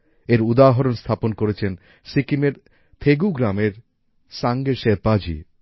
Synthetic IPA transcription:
eɾud̪aɦoɾonst̪ʰaponkoɾet͡ɕʰen | sikimeɾ | t̪ʰeɡuɡɾameɾ | saŋɡeɾʃepad͡ʑḭ

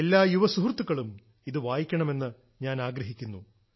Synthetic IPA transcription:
elːaːjuʋɐsuɦurt̪ːukːɐɭum | iðɨʋaːjikʲːɐɳɐme̞nːɨ | ɲaːnaːɡɾɐɦikʲːunːu

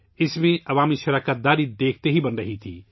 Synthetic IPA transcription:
ɪsmẽɐʋaːmiʃɐɾəkət̪̚d̪aːɾid̪eːkʰt̪eɦibənɾəɦit̪ʰḭ

